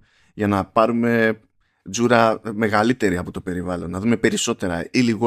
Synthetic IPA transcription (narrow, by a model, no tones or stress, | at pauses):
ʝɐnɐpɐɾume̞ | zuɾɐme̞ɣɐlit̪e̞ɾiɐpo̞t̪o̞pe̞ɾivɐlo̞nːɐðume̞pe̞ɾiso̞t̪e̞ɾɐ̰iliɣ